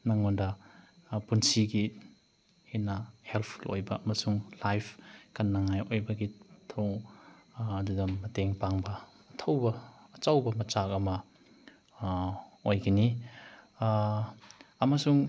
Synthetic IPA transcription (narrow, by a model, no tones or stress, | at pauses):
naŋondɐ | punsiɡi | henɐhelpʰulo̰jbɐɐmɐsuŋlajpʰkɐnːaŋajojbɐɡitʰoŋ | ɐdudɐmːɐteŋpaŋbɐː | tʰɐwbɐːt͡ʃawbɐmɐt͡ʃak̚ɐmɐ | ojɡini | ɐmɐsuŋ